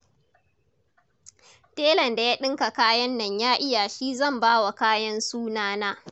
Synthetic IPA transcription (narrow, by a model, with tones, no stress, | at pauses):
teː˦lɐ˨nda˨jaː˦ɗɪ˦ŋka˨kaː˦jɐ˦nːɐ˨ɲjaː˦ʔɪ˦ja˨ʃiː˦zɐ˦˨mbaː˦wa˨kaː˦jɐ˦nsuː˦naː˦naː˦